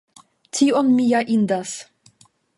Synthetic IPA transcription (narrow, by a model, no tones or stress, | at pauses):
t̪ʰiːʔɔnmijaʔind̪as